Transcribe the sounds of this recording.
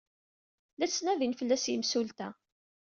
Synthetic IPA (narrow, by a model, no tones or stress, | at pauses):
læt͡sːnæðinfəlːæsjimsult̪æ